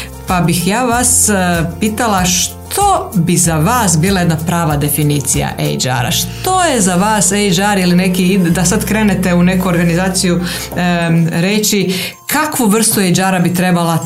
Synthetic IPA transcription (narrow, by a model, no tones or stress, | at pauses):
pabixjaːʋaspiːt̪alˠaʃt̪ʰo̞bizaʋaːsbiːlˠajed̪napɾaːʋad̪e̞finiːt̪sija̰ʔḛjd͡ʒa̰ːɾa̰ʃt̪o̞jezaʋaːsejd͡ʒaːɾiline̞kid̪asad̪kɾe̞ːnet̪e̞une̞kuoɾɡanizaːt̪siju | ɾet͡ʃi | kʰakʋuʋr̩st̪uejd͡ʒaːɾabit̪ɾe̞balˠa